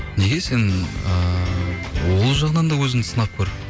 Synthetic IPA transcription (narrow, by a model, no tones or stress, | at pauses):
ne̞ɡʲe̞se̞nə | wo̞lˠʒɑʁənɑnd̪ɑwɵzɪnsənɑp̚kʲʰɵɾɪ